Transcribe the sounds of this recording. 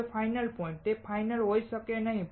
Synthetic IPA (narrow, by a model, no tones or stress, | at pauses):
fajnəlpɔĩɳʈ̚t̪efajnəlɦojsəkenaɦĩ